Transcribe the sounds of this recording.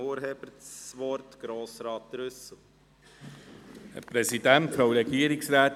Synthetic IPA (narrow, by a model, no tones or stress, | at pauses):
oːɾɦɛbəɾsʋɔɾtɡ̥ɾoːsɾɑːt̪̚dɾʏsl̩ | hə̰pɾɛsidæntfɾowɾɛɡiəɾiksɾæːt